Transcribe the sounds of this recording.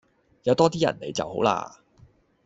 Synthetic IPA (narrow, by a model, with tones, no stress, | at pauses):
jɐ˨˧wt̪ɔː˥t̪iː˥jɐ̰˨˩nnḛ˨˧jt͡sɐ̰˨who˨˥wla̰ː˧